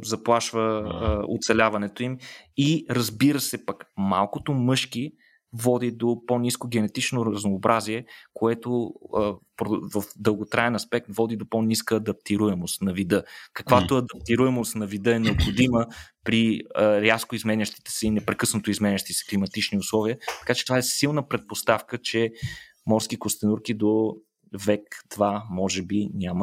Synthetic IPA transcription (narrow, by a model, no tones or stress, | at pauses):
zɐplˠaʃvəo̰t̪sɛlʲavɐnɛt̪oimiɾɐzbiɾəsɛpɐkmalˠkot̪omɤʃki | vɔd̪id̪oponiskoɡɛnɛt̪it͡ʃnoɾəznoːbɾʔaziɛkoɛt̪oəpɾvəfd̪əlˠɡot̪ɾaɛnɐspɛk̚t̪vɔd̪id̪oponiskəːd̪ɐp̚t̪iɾuɛmost̪nɐvid̪ɤkɐkvat̪oɐd̪ɐp̚t̪iɾuɛmost̪nɐvid̪ɤɛnɛopxod̪iməpɾiɾʲjaskoizmɛnʲəʃt̪i̥t̪ɛ̥sɛinɛpɾɛkɤsnot̪oizmɛnʲəʃt̪isɛ̥klimɐt̪it͡ʃniʊslˠɔviət̪ɐ̥kat͡ʃɛt̪ovaɛsilˠnəpɾɛt̪̚post̪afkət͡ʃɛ | mɔɾskikost̪ɛnuɾkid̪o | vɛkt̪vamɔʒɛbinʲamə